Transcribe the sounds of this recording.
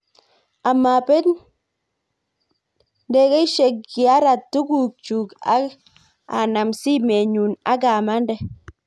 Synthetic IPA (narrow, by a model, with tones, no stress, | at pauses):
a˨ma˨pɛ˦n | de˦ke˦i˦ʃe˨kːi˨a˦ɾa˨tːu˦ɡu˦˨k̚t͡ʃu˨ka̰˦ | a̰˨na˨msi˦me˨ɲu˨na̰˦ɡa˨ma˦ndɛ˨